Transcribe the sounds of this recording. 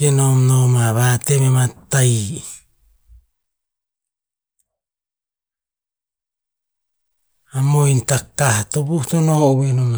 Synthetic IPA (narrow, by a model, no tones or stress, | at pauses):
enomnomaβatememataj | amojntakahatobuutonohoʔβenoma